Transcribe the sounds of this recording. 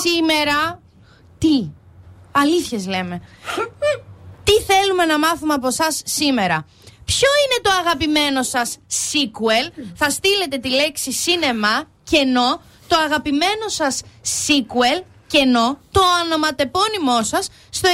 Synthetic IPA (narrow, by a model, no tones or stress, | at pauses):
simeɾɐ | t̪i | ɐliθçe̞zle̞me̞ | t̪iθe̞lume̞nɐmɐθumeɐpo̞sɐsːime̞ɾɐ | pço̞ine̞t̪o̞ɐɣɐpime̞no̞sɐsːikue̞lθɐst̪ile̞t̪e̞t̪ile̞ksisine̞mɐ | ce̞no̞ | t̪o̞ɐɣɐpime̞no̞sɐsːikuel | ce̞no̞t̪o̞ɐno̞mɐt̪e̞po̞nimo̞sɐsːt̪o